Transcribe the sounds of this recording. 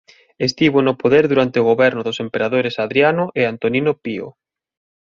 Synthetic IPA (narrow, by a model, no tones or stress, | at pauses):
est̪iβonʊpoðeɾðuɾant̪eoɣ̞oβɛɾnʊðosempeɾaðoɾesaðɾjanʊʔeant̪oninopio̰